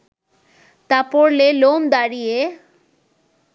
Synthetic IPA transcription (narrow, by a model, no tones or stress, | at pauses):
t̪apoɽlelond̪aɽije